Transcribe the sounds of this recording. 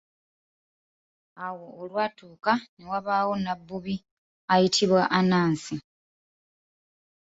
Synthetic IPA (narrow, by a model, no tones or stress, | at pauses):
awo̞ːlwaːtuːkane̞waβaːwo̞nabːuβi | ajitʰiβwaʔanaːnsi